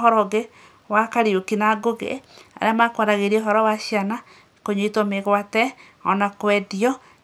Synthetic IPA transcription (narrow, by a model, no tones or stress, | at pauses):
hɔɾɔɣe | wakaɾiokinaɡoɣḛa̰ɾeamakwaðaɣeɾieɔɦɔɾɔwaʃiana | koɲoitwɔmeɣwatɛ | ɔnakwɛdiɔ